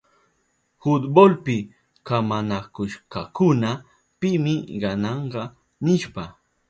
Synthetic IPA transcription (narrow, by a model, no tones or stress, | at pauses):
hʊt̪bolpɪ | kamanakʊʃkɑkʊna | pɪmɪɢɑnɑɴɢɑ | nɪʃpa